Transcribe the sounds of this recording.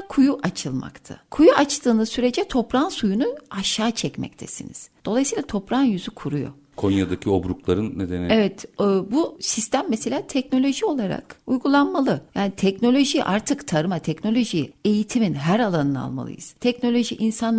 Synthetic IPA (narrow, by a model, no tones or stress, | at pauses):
kʰujuʔat͡ʃʰɯlˠma̰kt̪ʰa̰kʰujuat͡ʃt̪ɯːnɯzsyɾe̞d͡ʒɛt̪ʰo̞pɾansujunuaʃaːt͡ʃʰɛcmɛ̰c̚t̪ʰɛsḭnḭz̥d̪̥o̞lˠajsɯiːlˠat̪ʰo̞pɾanjyzykʰuɾujo̞̰ | kʰonjad̪acʰio̞bɾuklˠaɾɯnːed̪enievɛt̪ːbusist̪ʰæmːese̞lʲaːt̪ʰɛcno̞lʲo̞ʒio̞lˠaɾa̰kujɡulˠanmalˠɯjaːnit̪ʰɛcno̞lʲo̞ʒiʔaɾt̪ʰɯkt̪ʰaɾɯmat̪ʰɛcno̞lʲo̞ʒije̞jit̪ʰiminɦæɾalˠanɯna̰lˠma̰lˠɯ̰jɯ̰z̥t̪ʰɛcno̞lʲo̞ʒiʔinsan